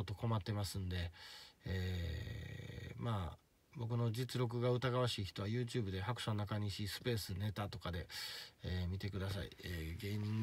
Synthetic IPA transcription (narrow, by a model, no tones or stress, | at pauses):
ot̪ːo̞ko̞mat̪ːe̞masɨ̃nd̪e̞e | maː | bo̞k̬ɯ̟no̞d͡ʑit͡sɨɾo̞k̬ɯ̟ɡaɯ̟t̪aɡaβaɕiːçi̥t̪o̞βajɯ̟ːt͡ɕɨːbɯ̟d̪e̞hakɯ̟sonakaɲ̟iɕisɨ̥pe̞ːsɨne̞t̪at̪o̞kad̪e̞eːmʲit̪e̞kɯ̟d̪as̬aḭeɡe̞ːɲ̟ĩŋ